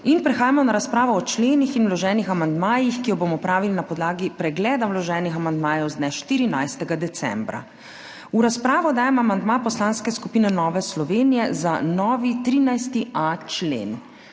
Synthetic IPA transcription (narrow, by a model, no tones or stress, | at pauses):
inpɾɛxaːjamɔnaɾaspɾaːʋɔːt͡ʃleːnixinwlɔʒɛːnixamand̪maːjixkijɔbomɔpɾaːʋilinapɔd̪laːɡipɾɛɡlɛːd̪awlɔʒɛːnixamand̪maːjɛwzd̪nɛʃt̪iːɾinajst̪ɛɡad̪ɛt̪sɛ̰mbɾa̰ | uɾaspɾaːʋɔd̪aːjamamand̪mapɔslaːnskɛskupiːnɛnɔːʋɛslɔʋeːnijɛzanɔːʋit̪ɾiːnajst̪iat͡ʃlḛːn